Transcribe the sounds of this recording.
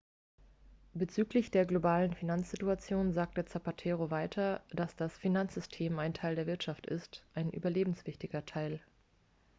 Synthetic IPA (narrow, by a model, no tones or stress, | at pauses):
b̥ət͡syːklɪçd̥eːɐɡlobaːlənfinant͡sz̥ɪtuat͡sjoːnzaːk̚tət͡sapatʰɛːʁ̞ovaɪtʰɐd̥asd̥asfinant͡sz̥ʏstʰeːmaɪntʰaɪldeːɐvɪɐtʃaftɪ̰stʔaɪnʔy̰ːbɐleːbm̩sv̥ɪçtɪɡɐtʰaɪl